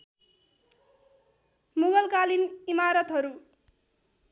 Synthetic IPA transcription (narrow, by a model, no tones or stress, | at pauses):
muɡʌlkalinimaɾʌt̪ɦʌɾu